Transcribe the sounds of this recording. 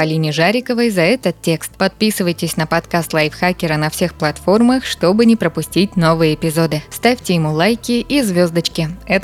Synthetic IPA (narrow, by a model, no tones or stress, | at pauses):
pɐlʲinʲɪʐaɾʲɪkəvəjzɐɛt̪ət̪tʲːe̞kst̪pɐt̪̚pʲisɨvəjtʲɪsʲnəpɐt̪kast̪lˠajfxakʲɪɾənɐfsʲe̞xplˠɐt̪fo̞rməxʂt̪o̞bɨnʲɪpɾəpʊsʲtʲitʲno̞vɨjəːpʲɪzo̞d̪ɨst̪afʲtʲɪjɪmulˠajkʲɪʔizvʲo̞zd̪ət͡ɕkʲɪɛt̪